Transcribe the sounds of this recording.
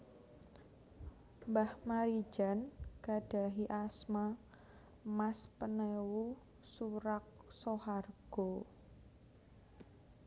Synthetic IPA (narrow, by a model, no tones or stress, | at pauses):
mbahmaɾi̥ʒ̥a̤nkaɖ̥a̤ɦiʔasma | maspənewu | suɾak̚soharɡ̥ɔ